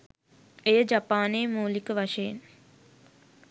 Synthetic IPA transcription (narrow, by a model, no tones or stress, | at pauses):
ejəd͡ʒapaːneːmuːlikəʋaʂejḛn